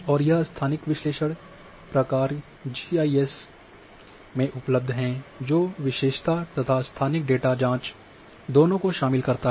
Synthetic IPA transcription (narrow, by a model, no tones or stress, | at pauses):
ɔːɾjɐɦst̪ʰaːnɪkʋɪʃleːʃəɽ | pɾɐkaːɾ | d͡ʒiaːies | mẽʔʊpləb̚d̪ʱɦɛ̃d͡ʒoːʋɪʃeːʃt̪at̪ɐt̪ʰast̪ʰaːnɪkɖeːʈad͡ʒãːt͡ʃ | d̪oːnõkoʃaːmɪlkɐɾt̪a